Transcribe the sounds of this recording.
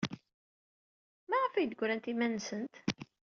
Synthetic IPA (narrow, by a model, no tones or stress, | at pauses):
mæʁəfijd̪əɡʷɾænt̪imænːsənt̪